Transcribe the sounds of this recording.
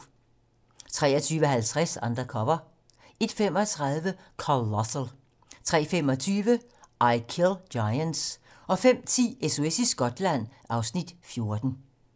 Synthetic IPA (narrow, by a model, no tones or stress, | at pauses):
t͡sʰʁɛ̰ːɐt͡sʰyːʋəɦælt͡sʰʁasɑ̈nd̥ʁɐkʰɒ̽mɐ | e̝d̥fem̰ɒ̽t͡sʰʁɑ̈ðˠʋə | kʰolɒsl | t͡sʰʁɛ̰ːfem̰ɒ̽t͡sʰyːʋə | ʔɑɪkʰelj̥ɑ̈ɪəns | ʔɒ̽fem̰t͡sʰḭːesoesisɡ̥ɒ̽d̥læn̰ | ɑ̈ʊsnid̥fjo̝ɐd̥n̩